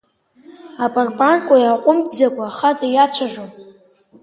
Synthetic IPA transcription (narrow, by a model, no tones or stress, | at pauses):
apʼarpʼarkʷʼajaqʷʼʊmd͡zakʷʼaχat͡sʼajat͡ɕʷʰaʒowpʼ